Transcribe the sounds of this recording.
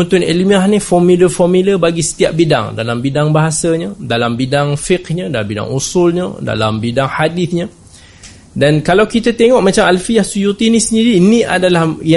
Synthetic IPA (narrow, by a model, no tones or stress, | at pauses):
unt̪ʊnḛlimiaɦnifɔmiləfɔmiləbaɡisə̥t̪iap̚bida̰ŋdalambidaŋbaɦasaɲədalambidaŋfɪkɲədalambida̰ŋʔusulɲə̰da̰la̰mbidaŋhadiθɲə | dankalawkit̪at̪eŋɔʔ̚mat͡ʃamalfijahsujut̪inisəndiɾiːnĩʔa̰dalahja